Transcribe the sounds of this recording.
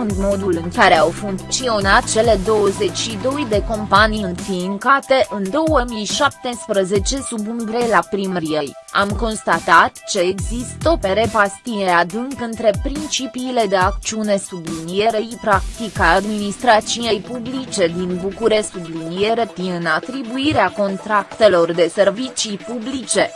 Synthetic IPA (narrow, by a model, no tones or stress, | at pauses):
und̪mo̞d̪ulɨŋkaɾe̞awfuŋkt̪sio̞nat̪̚t͡ʃe̞le̞d̪o̞wəze̞t͡ʃʲʃid̪o̞jd̪e̞ko̞mpaniɨnfiŋkat̪e̞ʔɨnd̪o̞wəmijʃap̚t̪e̞spɾəze̞t͡ʃe̞subunvɾe̞lapɾimɾiej | a̰mko̞nst̪at̪at̪t͡ʃe̞ːɡzist̪ope̞ɾe̞past̪ije̞ad̪ɨŋɡɨnt̪ɾe̞pɾint͡ʃipiːle̞d̪e̞akt͡ʃiune̞sublinije̞ɾeipɾakt̪ikaad̪minist̪ɾat̪t͡ʃije̞jpublit͡ʃe̞d̪inbukuɾe̞ssublinije̞ɾe̞t̪iɨnat̪ɾibuiɾeako̞nt̪ɾakt̪e̞lo̞rd̪e̞se̞rvit͡ʃipublit͡ʃe̞